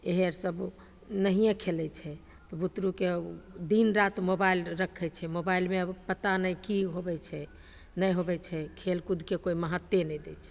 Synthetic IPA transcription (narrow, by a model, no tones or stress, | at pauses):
eɦeɾsəb | nəɦijẽkʰelɛt͡ʃʰɛ | t̪ɔbut̪ɾuked̪inɾat̪mobailɾəkʰɛt͡ʃʰɛmobailmeəpət̪anəjkiɦobɛt͡ʃʰɛ | nəjɦobɛt͡ʃʰɛkʰelkud̪ʱkekoiməɦət̪ːenɛd̪ɛt͡ʃʰɛ̥